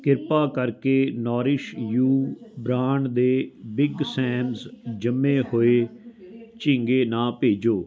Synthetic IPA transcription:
kɪɾpaːkəɾkeːnɔːɾɪʃjuːbɾaːɳd̪eːbɪɡsɛ̃ːmzd͡ʒəmːẽːhoːeː | t͡ʃɪ̃ŋɡeːnãːpeːd͡ʒoː

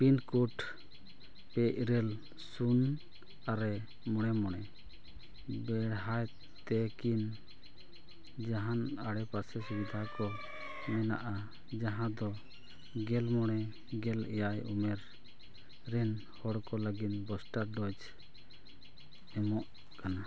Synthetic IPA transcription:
pinkuʈ | pɛʔɾɛl | sun | aɾɛ | mɔɽ̃ɛmɔɽ̃ɛ | bɛɽɦaj | t̪ɛkin | d͡ʒaɦanaɽɛpasɛsubid̪ʱakɔ | mɛna̰ʔa | d͡ʒaɦãd̪ɔ | ɡɛlmɔɽ̃ɛ | ɡɛlɛjajṵmɛɾ | ɾɛn | hɔɽkɔləɡinbɔsʈaɾɖɔd͡ʒ | ɛmɔʔ | kana

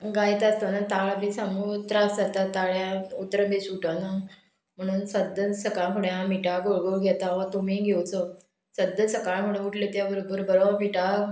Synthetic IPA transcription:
ɡajt̪ast̪ənat̪aɭabisamuːt̪ɾasd͡zat̪at̪ːaɭjaut̪ɾəbesuʈana | m̤əɽ̃uːnsəd̪ʱːəsəkaɭfuɽẽãmiʈaɡoɭɡoɡʱɛt̪aʋat̪umiɡʱewt͡sə | səd̪əsəkaɭmuɽẽuʈʰlet̪jaʋəɾbəɾbəɾoʋamiʈa

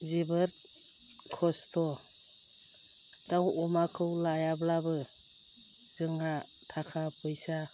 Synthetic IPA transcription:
zibɯɾ | kʰɔstʰɔ | d̥awɔmakʰɯwlajablabɯ | zɯŋa | tʰakʰapʰɯjsa

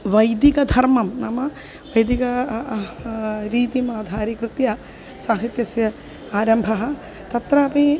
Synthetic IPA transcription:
ʋɐjd̪ikɐd̪ʱɐɾmɐmnɐmɐ | ʋɐjd̪ikɐ | ɾiːt̪imaːd̪ʱaːɾikɾɨt̪jɐ | saːɦit̪jɐsjɐ | aːɾɐmbʱɐɦɐ̆ | t̪ɐt̪ɾɐːpi

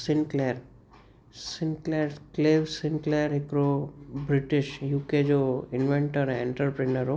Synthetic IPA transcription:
sinkleəɾ | sɪnkleɾkleːʋsɪnkleəɾɦɪkɾobɾɪʈɪʃjuːked͡ʒoɪnʋẽɳʈəɾẽɳʈəɾpɾinəɾɦo

